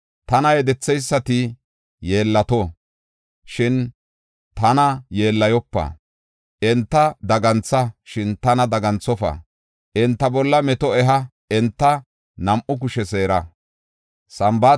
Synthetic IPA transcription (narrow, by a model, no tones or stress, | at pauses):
t̪ɐnɐjɛd̪ɛt͡sːɛjsːɐt̪ɪ | jeːlːɐt̪o | ʃɪn | t̪ɐnɐjeːlːɐjɔpːɐ̰ | ɛnt̪ːɐd̪ɐɡɐnt͡sːɐʃɪnt̪ɐnɐd̪ɐɡɐnt͡sːɔfɐ̰ | ʔɛnt̪ːɐbɔlːɐmɛt̪ɔɛɦɐ | ɛnt̪ːɐ | nɐmʔʊk̬ʊʃɛse̞ːɾɐ | sɐmba